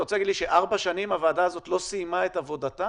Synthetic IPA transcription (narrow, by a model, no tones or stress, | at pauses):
ot͡selaɡidliʃeʔaʁbaʃanimavaːdaːzo̞tlo̞simaetavo̞data